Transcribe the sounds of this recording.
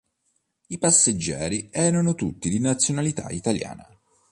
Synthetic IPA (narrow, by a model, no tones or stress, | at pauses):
ipasːed͡ʒːɛ̰ːɾiɛːɾanot̪ut̪ːid̪inat̪sːjonalit̪a̰it̪alja̰ːna̰